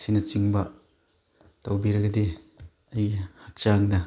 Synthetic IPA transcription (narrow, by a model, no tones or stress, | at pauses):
sinɐt͡ʃiŋbɐ | tɐwbiɾɐɡɐdi | ɐjhak̚t͡ʃaŋdɐ